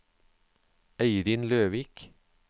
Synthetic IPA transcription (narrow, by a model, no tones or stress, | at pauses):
æɪɾɪnløːʋiːk